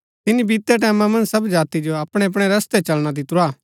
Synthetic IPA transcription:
t̪ɪnibiːt̪ːɛʈ̬ɛːmãmɐ̃nd͡ʒsɐbd͡ʒaːt̪id͡ʒoɐpɽ̃eɐp̬ɽ̃eɾɐst̪et͡ʃɐlɽ̃ad̪it̪ɾaː

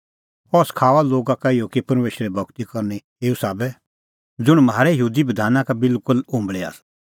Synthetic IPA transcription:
ɔskʰaːʋaloːɡakaijokipɐɾmeːʃɾɛbʱɐɡt̪ikɔɾne | eːusaːbɛ | d͡zʊɽ̃mɦaːɾɛjəɦuːd̪ibɐd̪ʱaːnãkabɪlkʊlʊ̃mbɭɛa̰ːs

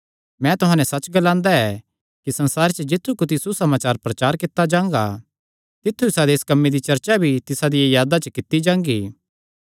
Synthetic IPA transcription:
mɛ̃t̪ʊɦãːnɛsɐt͡ʃɡɐlãːnd̪aɛ | kisɐ̃nsaːɾet͡ʃəd͡ʒɪt̪ʰːukʊt̪̬isusɐmaːt͡ʃaːɾpɾɐt͡ʃaːɾkɪt̪ːad͡ʒãːŋ̆ɡa̰ | t̪ɪt̪ʰːuɪsad̪eɪskɐmːed̪it͡ʃɐɾt͡ʃabʱit̪ɪsad̪ijajaːd̪at͡ʃəkɪt̪id͡ʒãːŋɡiː

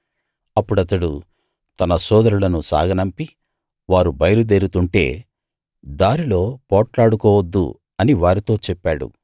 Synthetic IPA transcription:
ɐpːuɽɐt̪ɐɽu | t̪ɐnɐsɔːd̪ɐɾulɐnusa̰ːɡɐnɐmpi | ʋaːɾubɐjɐlud̪eːɾut̪uɳʈe̞̰ː | d̪aːɾilo̞ːpɔːʈlaːɽukɔːʋɐd̪ːṵ | ɐniʋaːɾit̪o̞ːt͡ʃɛpːaːɽṵ

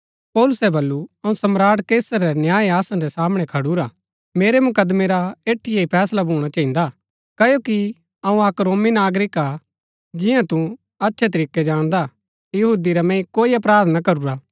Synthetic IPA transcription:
pɔːlʊsɛbɐlːuɐũsɐmɾaːɽkeːsəɾːɛnjaːiaːsãɾɛsaːmɽ̃ɛkʰɐɽuɾa | meːɾɛmʊkəd̪meɾaeːʈʰːijeipʰɛːslabʱuːɽ̃at͡ʃɐ̃ɦĩːnd̪a | kɐjoːki | ɐũɐkɾoːminaːɡɾɪka | d͡ʒɪjãt̪ũ | ɐtːʃʰɛt̪̬ɐɾiːkːɛd͡ʒaːɽ̃d̪a | jɐɦuːd̪iɾamɛ̃ːĩkoːiɐp̬ɾaːɾt̪ʰnakɐɾuɾaː

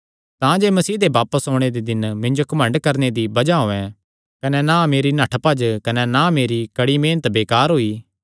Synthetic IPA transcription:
t̪ãd͡ʒeːmɐsiːd̪ebaːpəsɦoːɽ̃ed̪ed̪ɪnmɪ̃ɲd͡ʒokɐmɐ̃ɳɖkɐɾned̪ibɐd͡ʒaɦoːɛ̃ | kɐnenãmeːɾinɐʈʰpɐd͡ʒkɐnenãmeːɾikɐɽimeːnət̪beːkaːɾɦoːiː

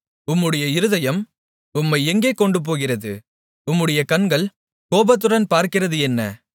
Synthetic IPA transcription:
ʊmːɯɽɐjɐɪɾɯðɐjɐm | ʊmːɐɪɛŋɡeːkːɔɳɖɯp̬oːɣɪrɐðɯ̰ | ʊmːɯɽɐjɐkɐnɡɐɭ | koːbɐt̪̬ːɯɾɐnpaːɾkɪrɐðɯɛnːɐ̰

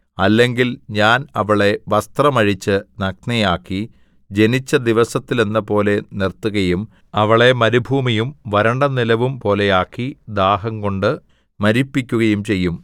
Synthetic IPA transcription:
ɐlːe̞ŋɡilɲaːnɐʋɐɭe̞ʋɐst̪rɐmɐɻit͡ɕːɨnɐk̚nɐjaːkːi | d͡ʑe̞nit͡ɕːɐd̪iʋɐsɐt̪ːile̞nːɐpo̞ːle̞nirt̪ːuɣɐjum | ɐʋɐɭe̞mɐɾubʱuːmijumʋɐɾɐɳɖɐnilɐʋumpo̞ːle̞jaːkːid̪aːɦɐŋko̞ɳɖɨ | mɐɾipːikʲːuɣɐjumt͡ɕe̞jːum

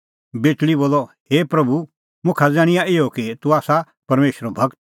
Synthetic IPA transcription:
beːtliboːlːɔheːpɾɐbʱu | mʊ̃kʰad͡zãːɽ̃ɪjaɪɔkit̪uaːsa | pɐɾmeːʃɾɔbʱɐɡt̪̚

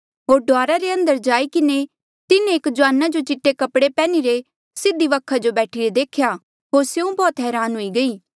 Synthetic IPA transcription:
ɦoːɾɖoaːɾaɾeɐ̃nd̪əɾd͡ʒaːikɪne | t̪ɪnẽeːkd͡ʒʊaːnad͡ʒot͡ʃɪʈːekɐpɽepɛːniɾe | sɪd̪iʋɐkʰad͡ʒobɛːʈʰiɾed̪eːkʰja | ɦoːɾsjeũbɔːt̪ɦɛːɾaːnɦoiɡɐiː

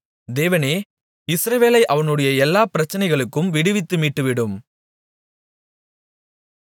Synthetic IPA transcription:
d̪eːʋɐneː | ɪsɾɐʋeːlɐɪʔɐʋɐnɯɽɐjɐɛlːaːpɪɾɐt͡ʃːɐnɐɪɣɐɭɯkːɯmʋɪɽɯʋɪt̪ːɯmiːʈːɯʋɪɽɯm

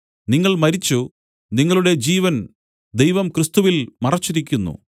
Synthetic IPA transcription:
niŋːɐɭmɐɾit͡ɕːu | niŋːɐɭuɽe̞d͡ʑiːʋɐn | d̪ejʋɐmkrɨst̪uʋilmɐrɐt͡ɕːiɾikʲːunːṵ

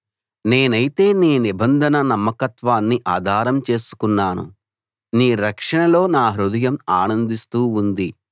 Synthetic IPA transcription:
ne̞ːnɐjit̪e̞ːniːnibɐnd̪ʱɐnɐnɐmːɐkɐt̪ʋaːnːiʔaːd̪ʱaːɾɐmt͡ʃe̞ːsu̥kunːaːnṵ | niːɾɐkʂɐɳɐlo̞ːnaːɦɾud̪ɐjɐmaːnɐnd̪ist̪uːnd̪i

